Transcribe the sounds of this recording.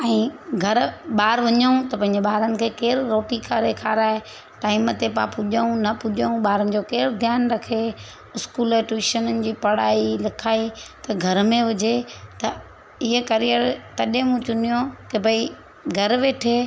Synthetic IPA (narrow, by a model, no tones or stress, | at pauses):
ɛ̃ːɡʱɐɾɓaːɾʋɐɲəũt̪ɐpɐ̃ɦɪɲd͡ʑeɓaːɾənɪ̆kʰeːkeːɾɾoːʈikʰaɾeːkʰaːɾaːɦe | ʈaːɪmət̪epã̰pʊʄəũnɐpʊʄəũɓaːɾənɪ̆d͡ʑoːkeːɾd̪ʱjaːnɾɐkʰe | ʊskuːlɛʈʋiːʃənənɪ̆d͡ʑiːpɐɽaːilɪkʰaːit̪ɐɡʱɐɾmẽʋʊd͡ʑʱet̪ɐ | ɪɦəkɐɾijəɾt̪ɐɗẽmũt͡ɕʊnijokebʱɐi | ɡʱɐɾʋeːʈʰeː